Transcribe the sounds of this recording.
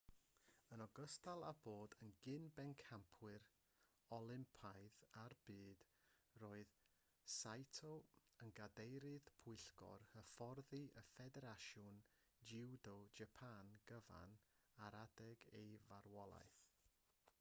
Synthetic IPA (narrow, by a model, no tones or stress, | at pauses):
ənɔɡəstalˠaboːdənɡɪnbɛnkʰampʰwɨɾ | ɔlˠɪmpʰajðarb̥ɨːd̥ | roːɨð | sajtʰɔənɡadejɾɨðpʰʊɨɬɡ̥ɔ̰ɾhəfɔrðiʔəfɛdɛɾaʃɔn | d͡ʒɪwdɔd͡ʒapʰanɡ̥əva̰n | aɾadɛɡḛjvaɾwɔlˠa̰jθ